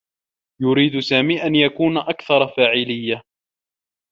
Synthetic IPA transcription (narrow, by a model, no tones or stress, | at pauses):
jʊɾiːd̪ʊsaːmiːʔanjakuːnʔakθɑɾˤɑfaːʕɪlɪjːa